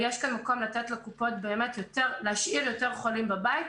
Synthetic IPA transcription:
jeʃkanmako̞mlat̪et̪lekupo̞t̪beːme̞t̪joteʁleaʃʔiljo̞te̞ʁχolimbabait

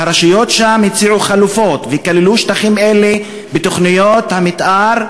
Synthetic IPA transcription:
aɾaʃijo̞t̪ʃamit͡siʕuχalufo̞t̪vekaliluʃt̪aχimele | bet̪o̞χnijothamit̪ʔaɾ

